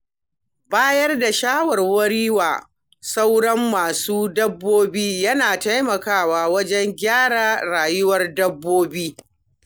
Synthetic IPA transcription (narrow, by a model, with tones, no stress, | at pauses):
baː˦jɐ˦rda˨ʃaː˦wɐ˨rwɐ˦ɽiː˦waː˨ | sa˦wɽɐ˦mːaː˨suː˦dɐ˦bːoː˦biː˦jɐ˦naː˨ta˦jmɐ˨kaː˦˨waː˨wɐ˦d͡ʒɛ˦ŋɡʲaː˦ɽaː˨ɽaː˨jʊ˦wɐ˦rdɐ˦bːoː˦biː˦